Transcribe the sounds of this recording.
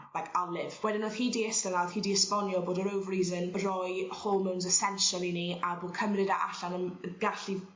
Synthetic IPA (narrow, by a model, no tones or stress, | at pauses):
lajkʰalˠɪvwɛdɪnɔð̥hiːdiɛstənað̥hiːdiəspɔnjɔboːdəɾowvriːzənrɔjhoːlˠmɪwnzɛsɛnʃəlˠiniʔaboːd̚kʰəmrɪdaʔaɬanəmɡaɬi